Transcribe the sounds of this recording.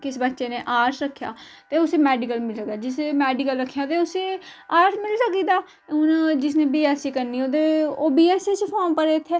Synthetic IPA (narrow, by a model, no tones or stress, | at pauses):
kɪsbətːʃeːneːʔaːɾsɾəkʰːja̰ːt̪eːʊseːmɛːɖɪkəlmɪlsəkd̪aːd͡ʒɪsemɛːɖɪkəlɾəkʰːjãːt̪eːʊseːaːɾsmɪlsəkiːd̪aː | ʊnd͡ʒɪsnẽːbiːɛːsiːkəɾniːoːt̪eːoːbiːɛːset͡ʃpʰoːmpəɾeːɪt̪ʰːeː